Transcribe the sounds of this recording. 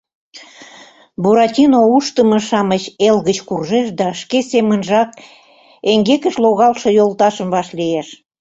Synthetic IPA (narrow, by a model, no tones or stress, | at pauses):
buɾɑtʲinouʃt̪əmə̆ʃɑmət͡ɕelɣət͡ɕkurʒeʃd̪ɑʃkesemənʒɑk̚ | eŋɡekəʃloɣɑlʃɤ̆jolt̪ɑʃəmvɑʃlieʃ